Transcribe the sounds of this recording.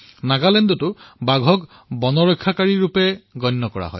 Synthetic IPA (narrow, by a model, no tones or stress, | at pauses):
naɡalɛndɔtʊbaɡʱɔk | bɔnɔɹɔkʰːakaɹiɹupɛɡɔjnːɔkɔɹa̰ɦɔ̰j